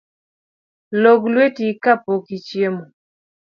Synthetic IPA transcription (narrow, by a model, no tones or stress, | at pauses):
loɡlwetikapokit͡ʃjemo